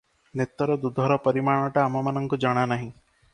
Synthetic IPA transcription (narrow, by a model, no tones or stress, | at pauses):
net̪ɔɾɔd̪ud̪ʱɔɾɔpɔɾimaɽ̃ɔʈaːmɔmanɔŋkud͡ʒɔɽ̃anaɦĩ